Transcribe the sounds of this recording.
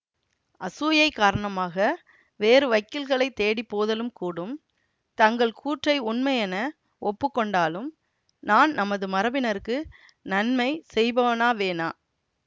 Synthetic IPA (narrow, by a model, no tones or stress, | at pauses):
ʔɐsuːjɐɪkːaːɾɐɳɐmaːɣɐ | ʋeːɾɯʋɐɪkːɪlɣɐɭɐɪt̪ːeːɽipːoːðɐlɯmkuːɽɯm | t̪ɐŋɡɐɭkʰuːʈrɐɪʊnmɐjɛnɐ | ʔɔpːɯkːɔɳɖaːlɯm | naːnnɐmɐðɯmɐɾɐbɪnɐɾɯkːɯ | nɐnmɐɪsɛjbɐʋɐnaːʋeːnaː